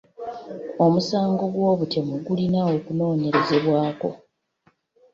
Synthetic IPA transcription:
o̞musaːŋɡo̞ɡwo̞ːβute̞muɡulinao̞kuno̞ːɲe̞ɾe̞ze̞βwaːko̞̰

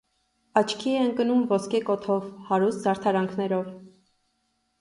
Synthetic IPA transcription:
ɑt͡ʃʰkʰiɛəŋkənumvɔskɛkɔt̪ʰɔvhɑɾust̪zɑɾt̪ʰɑɾɑŋkʰnɛɾɔv

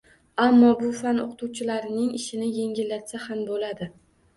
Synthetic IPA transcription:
amːɒbʊfano̰qʰɨt̪ʰuwt͡ʃʰɪlaɾɪnɪŋɪʃɪnɪje̞ŋɡʲɪlːat̪sahambolad̪ɪ

